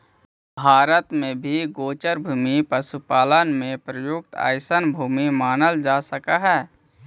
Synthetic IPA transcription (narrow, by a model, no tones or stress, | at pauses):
bʱaːɾət̪mẽbʱiɡoːt͡ʃəɾbʱuːmipəsupaːlənmẽpɾəjʊk̚t̪a̰ːjsənbʱuːmimaːnəld͡ʒaːsəkaɦɛː